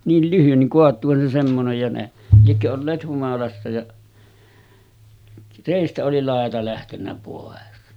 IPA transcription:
niːl lyhyn niŋ koɑtˑuːhɑn se semːonej jɑ ne liekːø olːeːt humɑlɑsːɑ jɑ reˑistæ oli lɑˑetɑ læhtenːæ poˑes

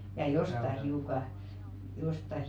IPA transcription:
jɑ jostɑ hiukɑ jostɑ

